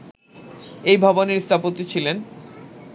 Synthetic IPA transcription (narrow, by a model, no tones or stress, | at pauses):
ejbʱaboneɾst̪ʰapot̪it͡ɕʰilen